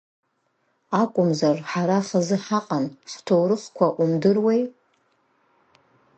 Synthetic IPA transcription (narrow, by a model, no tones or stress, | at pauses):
akʷʼʊmzarħaɾaχazɨħaqʼanχtʰowɾɨχkʷʰaʔumdɨrwej